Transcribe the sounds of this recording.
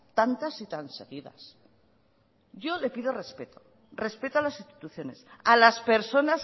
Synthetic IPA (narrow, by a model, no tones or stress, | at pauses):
t̪ant̪asit̪anseɣiða̰s | ɟ͡ʝo̞le̞piðo̞re̞spe̞t̪o̥ | re̞spe̞t̪oalasist̪i̥t̪uθjo̞ne̞salaspe̞ɾso̞nas